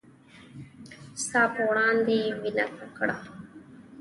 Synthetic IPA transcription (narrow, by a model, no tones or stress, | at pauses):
st̪aːpwɽɑːnd̪ewina̰t̪akɽa